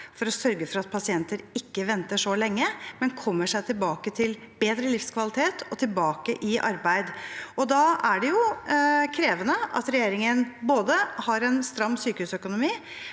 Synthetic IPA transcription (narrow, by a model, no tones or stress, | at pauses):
fɔɾɔsœɾɡəfɔɾɑt̪̚pʰɑsɪɛnt̪əɾɪkːəʋɛnt̪əʂɔlɛŋːəmɛnkʰɔmːəʂæɪt̪ʰɪlbɑːkət̪ʰɪl | beːd̪ɾəlɪfskʰʋɑlɪt̪ʰeːt̪ʰɔt̪ʰɪlbɑːkəʔɪʔɑ̰ɾbæɪd̪ɔd̪ɑæɖɛjʊkʰɾeːʋənəʔɑ̰t̪ɾɛjeːɾɪŋənboːd̪əhɑɾɛnst̪ɾɑmːsyːkəhʉːsœkʊnʊmiː